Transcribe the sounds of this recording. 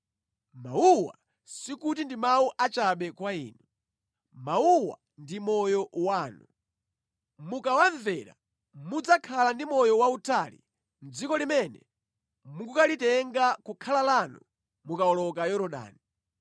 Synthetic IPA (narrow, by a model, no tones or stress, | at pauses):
mauwa̰ | sikut̬indimauʔat͡ʃaɓɛkwaḭːnu | mauwa̰ | ndimɔjɔwaːnu | mukawaɱvɛɾa̰ | mud͡zakʰalandimɔjɔwautʰalḭ | nd͡zikɔlimɛnɛ̰ | muɡukalitɛŋɡakukʰalalanṵ | mukaɔlɔkajɔɾɔɗa̰ːni